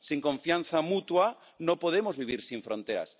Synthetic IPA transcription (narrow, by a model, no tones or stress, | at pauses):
siŋkõɱfjan̟θamut̪wa | nõpoð̞emozβiβ̞iɾsiɱfɾont̪eɾa̰s